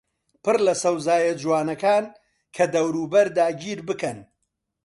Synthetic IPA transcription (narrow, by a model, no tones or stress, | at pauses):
pɨrlɐsɐwzaːjɐd͡ʒuwaːnɐkaːn | kʰɐd̪ɐwɾuːbɐɾd̪aːɟiːɾbɨkɐn